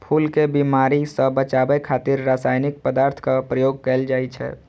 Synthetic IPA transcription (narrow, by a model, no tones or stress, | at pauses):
pʰuːlkebimaːɾisəbət͡ʃaːbəjkʰaːt̪ɪɾːaːsaːjnɪk̚pəd̪aːɾt̪ʰkapɾəjoːɡ̚kɛld͡ʒaːit͡ʃʰɛ̰